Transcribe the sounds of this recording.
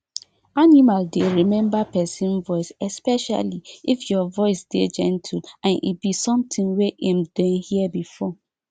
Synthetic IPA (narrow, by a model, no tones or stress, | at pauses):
animaldeɹimɛ̃mbapɛsĩnvɔɪsɛspɛʃa̰liifjɔvɔɪsd̥ed͡ʒɛ̰̃ntʰilãnʔḭbisɔ̃mtʰĩŋweʔãmdɔ̃nhiəbifɔ